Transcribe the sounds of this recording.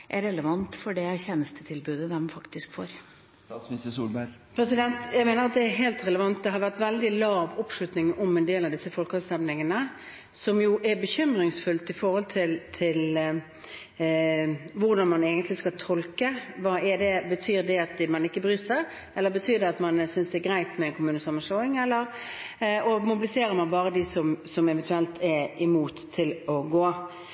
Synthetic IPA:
ʔæɾɛləʋɑnt̪fɔɖɛçɛnəst̪ət̪ʰɪlbʉːd̪əd̪ɛmfɑkt̪ɪskfɔ̰ɾ | smɪst̪əsṵːlbæɾpʰɾɛsɪd̪ɛnt̪jæɪmeːnəɾɑt̪̚d̪ɛːɾɦeːlt̪ɾɛləʋɑnt̪̚d̪ɛɦɑɾʋæʁt̪ʋɛld̪ɪlɑːʋʊpʂɭʉt̪nɪŋɔmɛnd̪eːlɑʋd̪ɪsːəfɔlkhɑst̪ɛmnɪŋənə | sɔmjʊʔɛɾbəçʏmɾɪŋsfʉlt̪ɪfɔɾhɔlt̪ʰɪlt̪ʰɪl | ʋʊɾd̪ɑnmɑneːɡənt̪lɪskɑt̪ʰɔlkəʋɑːɛd̪ɛbət̪ʰyːɾd̪ɛɑt̪̚mɑnɪkːəbɾyːsə | ɛlːəɾbət̪ʰyːʁd̪ɛɑt̪mɑnsʏnsd̪ɛɛɡʁæɪt̪mɛnkʰʊmʉːnəsɑmːənsloːɪŋɛlːəʁ | ɔmʊbɪlɪseːɾəmɑnbɑːʁəd̪ɪsɔmsɔmɛʋɛnt̪ʉɛlt̪ʰɛɪmuːt̪ʰːɪlɔɡoː

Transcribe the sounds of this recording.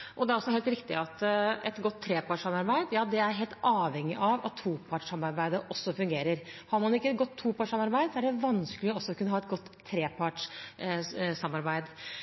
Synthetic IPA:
ʔɔd̪ɛæɾɔsːɔɦeːlt̪ɾɪkt̪ɪ̰ɑt̪ɛt̪ɡɔt̪ʰːɾeːpʰɑʈʂɑmɑɾbæɪd̪jɑːd̪ɛæɾɦeːlt̪ɑːʋhɛŋːɪʔɑʋɑ̰t̪ʰːuːpʰɑʈʂɑmɑɾbæɪd̪əʔɔsːɔfʉŋɡeːɾəɾhɑɾmɑnɪkːəɡɔt̪ʰːuːpʰɑːʈʂsɑmɑɾbæɪd̪sɔæɖɛʋɑnsklɪɔɔsːɔkʰʉnːəɦɑːɛt̪ɡɔt̪ʰːɾeːpʰɑʈʂ | sɑmːɑɾbæɪd̪

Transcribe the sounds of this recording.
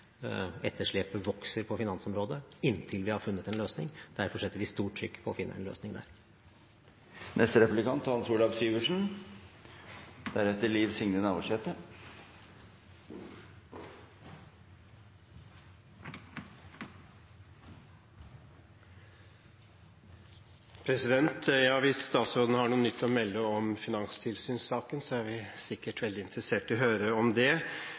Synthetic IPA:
ɛt̪ʰːəʂɭɛːpəʋɔksəɾpʰɔfɪnɑnsɔmɾoːd̪əɪnːt̪ʰɪlʋɪhɑɾfʉnːət̪ɛnløːsnɪ̰ŋd̪̥æɾfɔʂɛt̪ːəɾʋɪst̪uːʈʰːɾʏ̰kːpʰɔːfɪnːə̰ʔɛ̰nlø̰ːsnɪŋd̪æ̰ːɾ | nʔɛst̪əɾɛpʉlɪkʰɑnt̪hɑnsuːlɑʋsyːʋəʂɳn̩ | d̪̥æɾɛt̪əɭiːʋsɪŋnənɑːʋɔʂɛt̪ə | pʰɾɛsɪd̪ɛnt̪jɑːʋɪsːt̪ɑːt̪sɾoːd̪nəhɑɳuːənʏt̪ːɔmɛlːəɔmfɪnɑŋst̪ʰɪlsyːnsɑːkənsɔæɾʋɪsɪkːəʈʰʋɛld̪ɪɪnt̪ɾəseːʈɪlɔɦøːɾəɔmd̪ɛ

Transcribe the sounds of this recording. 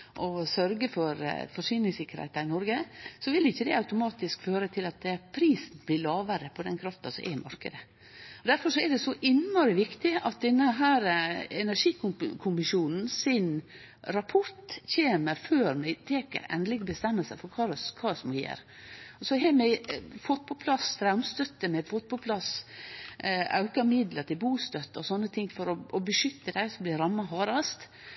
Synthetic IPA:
ʔɔsœɾɡəfɔɾ̰fɔʂyːnɪŋsɪkːəɾhɛ̰ɪt̪ɑɾɪnɔɾɡəsɔʋɪlɪçːəd̪ɛɑʉt̪ʊmɑːt̪ɪskføːɾət̪ʰɪlɑt̪̚ɛpʰɾiːsn̩blɪːɭlɑːʋəɾəpʰɔd̪ɛnkʰɾɑft̪ɑsɔmʔɛ̰ɪmʔɑɾkə̰d̪ə | ɔd̪æɾfɔʂɔɛd̪ɛsɔʔɪnːɔɾɪʋɪkt̪ɪɑt̪̚d̪ɛnːəɦæːɾɛnæʂiːkkʰʊmɪʃuːnn̩sɪn | ɾɑpʰɔɾʈ̪çeːməɾføːɾmɛɪt̪ʰeːkə̰ɾɛ̰nlɪɡbəst̪ɛmːəlsəfɔɾkʰɑɾskʰɑːsmɔjḛːɾ | ɔsɔɦɛmɛfɔt̪̚ːpʰɔpʰlɑst̪ʰɾɑʉmst̪œt̪ːəmɛfɔt̪̚pʰɔpʰlɑs | ɑ̰ʉkɑmɪd̪ləɾt̪ʰɪlbuːst̪œt̪ːəɔsɔnːət̪ʰɪŋːfɔɾɔʔɔbəʂʏt̪ːəd̪æɪsɔblɪɾɑmːɑɦɑːɾɑst̪

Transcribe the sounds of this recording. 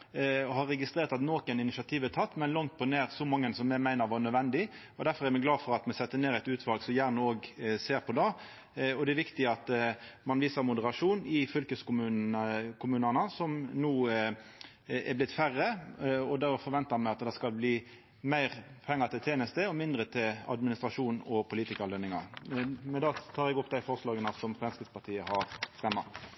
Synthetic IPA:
ɔhɑɾːɛɡɪst̪ʁeːʁt̪ɑt̪noːkənɪnɪsɑt̪ʰiːʋɛt̪ʰɑt̪ːmɛnlɔŋt̪̚pʰɔneːʁsɔmɑŋːənsɔmːɛmæɪnəɾʋɑːnœd̪ʋɛnd̪ɪ | ɔd̪æʁfɔʁæɾmɛɡlɑːfɔɾɑt̪mɛsɛt̪ːəneːɾæɪt̪ʉːt̪ʰʋɑlɡsɔmjæːʁnəoːɡseːʁpʰɔd̪ɑː | ɔd̪ɛɛʋɪkt̪ɪɑt̪mɑnʋiːsəʁmʊd̪əɾɑʂuːnɪfʏlkəskʊmʉːkʰʊmʉːnənəsɔmnuː | ɛ̰blɪt̪fæʁːəɔd̪ɛfɔɾʋɛnt̪ɑmæɪɑt̪d̪æɪskɑlbliː | mæɪʁpʰɛŋːɑt̪ʰɪlt̪ʰeːnəst̪əɔmɪnd̪ʁət̪ʰɪlɑ̰d̪mɪnɪst̪ʁɑʂuːnɔpʰʊliːt̪ɪkɑlœnːɪŋɑ̰mɛnd̪ɑt̪ʰɑːɾɛɡɔpːd̪æɪfɔʁslɑːɡənəsɔmfɛnskəspʰɑt̪ʰiːəhɑʁst̪ɛmːɑ̰

